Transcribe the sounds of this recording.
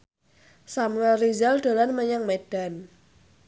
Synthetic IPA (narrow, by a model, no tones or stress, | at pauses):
samŋarizald̪̥o̤lanməɲaŋmeɖ̥a̤n